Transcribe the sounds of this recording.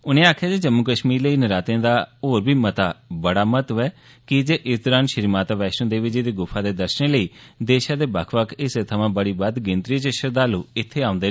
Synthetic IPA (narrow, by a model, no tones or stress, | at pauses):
ʊnẽːaːkʰjaːd͡ʒed͡ʒəmːukəʃmiːɾləiːnəɾaːt̪ẽːd̪aːoːɾbiːmət̪aːbəɽaːmət̪ʋɛː | kɪd͡ʒeːʔɪsd̪ɔɾaːnʃəɾmaːt̪aʋɛːʃə̃d̪eːʋɪt͡ʃed̪eːɡʊpʰaːd̪eːd̪əɾʃənẽːləiːd̪eːʃãːd̪eːbə̰kʰʋəkʰɪset̪ʰəʋãːbəɽiːbəd̪ɡɪ̃nt̪ɾiːt͡ʃəʃəɾd̪aːluːɪt̪ʰːeːaːʊ̃nd̪eː